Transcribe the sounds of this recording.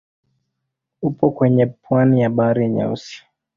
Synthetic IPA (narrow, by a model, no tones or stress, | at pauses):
upɔkwɛɲɛpwanijaɓaɾiɲa̰ṵsi̥